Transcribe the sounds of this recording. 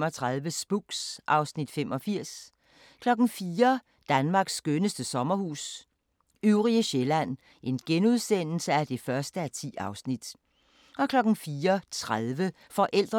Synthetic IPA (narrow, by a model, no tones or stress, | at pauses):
mɒ̽t͡sʰʁaðˠʋəsb̥uɡ̥sʔɑ̈ʊsnid̥femʔɒ̽fiɐ̰s | kʰlɒ̽ɡ̥n̩fiːɐ | d̥ænmɑ̈ːɡ̥sːɡ̥ønəsd̥əsɒ̽mɐhṵːs | yʊʁiəɕelæn̰ | ʔe̝nɡ̥enuð̞ˠsen̰l̩səæd̥e̝fɶɐsd̥əæt͡sʰḭːɑ̈ʊsnid̥ | ɒ̽kʰlɒ̽ɡ̥n̩fiːɐt͡sʰʁaðˠʋə | fɒ̽ʔel̰d̥ʁ